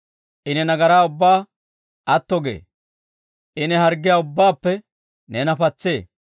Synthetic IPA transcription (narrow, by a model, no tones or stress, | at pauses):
ʔɪnɛnɐɡɐɾaːʊbːaː | ʔɐt̪ːɔɡḛː | ʔɪnɛhɐɾɡːɪjaːʊbːaːpːɛ | nɛnɐpɐt͡sːe̞ː